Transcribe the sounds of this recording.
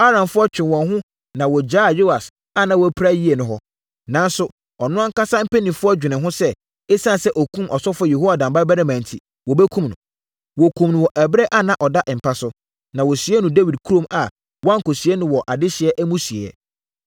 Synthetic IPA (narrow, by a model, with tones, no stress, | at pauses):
a˦ɾã˨mfʊ˦ɔ˦t͡ɕᶣɪ̃˨wɔ̃˨nɦʊ̃˦ | nã˨wɔ˨d͡ʑaː˦˨jo˦a˨s | a˦˨nã˨wɔ˨æ˦pʰɾa˦ji˦e˨nʊ̃˦ɦɔ˦ | nã˨nsʊ˦ | ɔ˨nʊ̃˦ã˦ŋ˦ka˦sa˦m̩˦pɛ˦nĩ˨fʊ˦ɔ˦d͡ʑᶣɪ˨nɪ̃˨ɦʊ̃˦sɛ˦ | e˦sã˦n˨sɛ˦ʔɔ˨kʰũ˦mʔɔ˨sɔ˦fɔ˦je˨ho˦a˨dã˨mba˦bɛ˦nã˦mɛ̃˨n˨tʰi˨ | wɔ˨bɛ˦kʰũ˦mnʊ̃˨ | wɔ˨kʰũ˨mnʊ̃˨wɔ˨ʔæ˨bɾɛ˦ʔa˦nã˨ʔɔ˨da˦ʔm̩˨pʰa˦sʊ˦ | nã˨wɔ˨si˨˦ɛ˦nʊ̃˨de˦wi˨d̚kʰu˦ɾõ˦ma˨ | wã˦ŋ̩˨ko˨si˨ɛ˦nʊ̃˦wɔ˨ʔa˨dɪ˦ɕɪ˨ɛ˦ʔæ˦mũ˦si˨ḛ˨ɛ̰˨